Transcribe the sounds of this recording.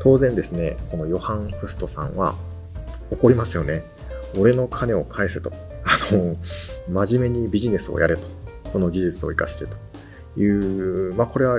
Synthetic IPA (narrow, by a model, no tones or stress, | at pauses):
t̪o̞ːzẽ̞nd̪e̞sɨne̞̰ko̞no̞jo̞hãɴ̃ɸɯ̟sɨ̥t̪o̞sã̰ɰ̃βa̰ | o̞ko̞ɾʲimasɨjo̞ne̞ | o̞ɾe̞no̞kʰane̞o̞kʰae̞sɨt̪o̞ | ano | maʑime̞ɲ̟ibʲiʑine̞sɨo̰jaɾet̪o̥so̞no̞ɡʲiʑɨt͡sɨo̞̰ikaɕi̥t̪e̞t̪o̥ | jɯ̟ːmako̞ɾe̞βa